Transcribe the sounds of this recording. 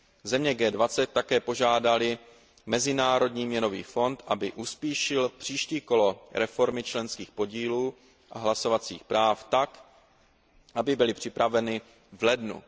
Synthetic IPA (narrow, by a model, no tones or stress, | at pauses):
zɛmɲɛɡɛːdvat͡sɛt̪̚ːakɛːpo̞ʒaːdalɪ | mɛzɪnaːɾo̞dɲiːmɲɛno̞vḭːfo̞nt̪ʔabɪʔuspiːʃɪlpr̝̥iːʃciːko̞lo̞ɾɛfo̞ɾmɪt͡ʃlɛnskiːxpo̞ɟiːluː | ʔaɦlasovat͡sḭːxpɾaːft̪ak | ʔabɪbɪlɪpr̝̥ɪpɾavɛnɪ | vlɛdnṵ